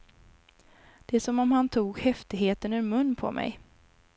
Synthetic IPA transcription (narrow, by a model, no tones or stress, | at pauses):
d̪̥ɛæsɔmɔmhant̪ʰuːɡhɛft̪ɪɡɦeːt̪ənɵɾmɵnːpʰɔ̰mɛ̰j